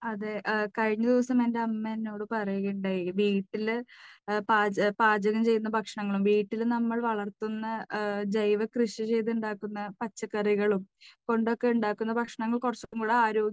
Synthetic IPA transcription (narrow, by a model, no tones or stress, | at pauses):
ɐðɨkɐɻiɲːɐd̪iʋɐsɐmende̞ɐmːenːo̞ːɽɨpɐrɐjuɣɐuɳɖaːjʋiːʈːil | paːpaːd͡ʑɐɣɐmt͡ɕe̞jːunːɐbʱɐkʂɐɳɐŋːɐɭumʋiːʈːilnɐmːɐɭʋɐɭɐrt̪unːɐd͡ʑɐjʋɐkrɨɕit͡ɕe̞jt̪uɳɖaːkːunːɐpɐt͡ɕːɐkːɐriɣɐɭumko̞ɳɖo̞kːe̞uɳɖaːkːunːɐbʱɐkʂɐɳɐŋːɐɭkurɐt͡ɕːokːumɡuːɽeaːɾoːɡ